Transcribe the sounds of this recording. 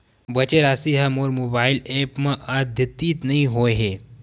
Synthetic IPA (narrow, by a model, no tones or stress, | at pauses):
bət͡ɕeɾasiɦamoɾmobailepmaʔad̪ʱjət̪ːiːt̪nɐĩɦojɦe